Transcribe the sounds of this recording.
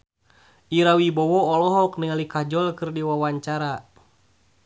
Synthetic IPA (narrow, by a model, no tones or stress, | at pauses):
ʔiɾawibɔwɔɔlɔɦɔk̚niŋalikad͡ʒɔlkɨrdiwawaɲt͡ʃaɾa